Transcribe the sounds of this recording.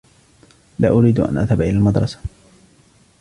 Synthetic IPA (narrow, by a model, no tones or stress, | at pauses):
laːʔʊɾiːd̪ʔa̰nʔa̰ðhabʔɪlaːlmad̪ɾˤɑsḁ